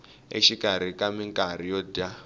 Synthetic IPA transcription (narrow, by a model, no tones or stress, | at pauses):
ḛʃikaɾikamiŋkʼaɾijɔda